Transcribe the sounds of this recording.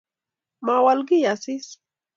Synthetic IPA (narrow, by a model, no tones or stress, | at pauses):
mawalɢɪjasɪs